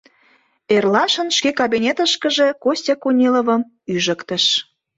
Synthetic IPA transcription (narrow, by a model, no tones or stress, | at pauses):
erlɑʃə̆nʃkekɑbinʲet̪əʃkəʒe̽kosʲtʲekunʲilovəm | yʒə̆kt̪ə̆ʃ